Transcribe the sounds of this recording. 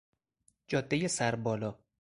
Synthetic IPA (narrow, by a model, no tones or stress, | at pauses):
d͡ʒɒːd̪ːejesæɾbɒːlɒː